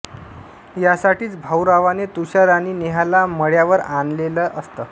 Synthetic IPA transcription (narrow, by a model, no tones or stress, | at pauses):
jasaʈiːt͡sbʱawɾaʋanet̪uɕaɾañiːneɦalaməɽjaʋəɾanleləʔəst̪əː